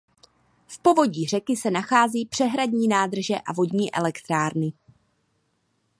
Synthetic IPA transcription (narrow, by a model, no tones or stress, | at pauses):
fpo̞vo̞ɟiːr̝ɛkɪsɛnaxaːziːpr̥ɛɦɾadɲiːnaːd̪r̩ʒɛʔavo̞ɟɲiːʔɛlɛkt̪ɾaːɾnɪ